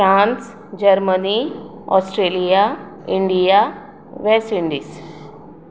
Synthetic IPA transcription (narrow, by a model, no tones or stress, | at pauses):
fɾãns | d͡ʑəɾməni | ɔ̰sʈɾelijaiɳɖija | ʋesʈiɳɖiːs